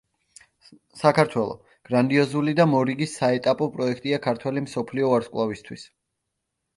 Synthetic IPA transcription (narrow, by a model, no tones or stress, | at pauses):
sakʰaɾt̪ʰwɛlˠɔ̰ | ɡ̥ɾand̪iɔzulid̪amɔɾiɡisːaɛt̪ʼapʼɔpʼɾɔɛkʰt̪ʼiakʰaɾt̪ʰwɛlimsɔpʰliɔaɾskʼlˠavist̪ʰwis